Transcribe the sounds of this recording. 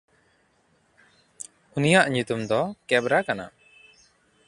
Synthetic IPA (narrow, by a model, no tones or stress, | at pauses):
unijaʔɲut̪umd̪ɔkɛbɾakana̰